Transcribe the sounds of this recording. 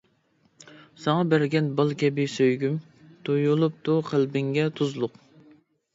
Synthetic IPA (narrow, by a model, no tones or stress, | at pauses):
sɑŋɑbæɾɡʲɛnbɑlˠkʲʰɛbɪsøjɡʲym | t̪ʰujulˠup̚t̪uqʰəlbɪŋɡʲɛt̪ʰuzlˠʊq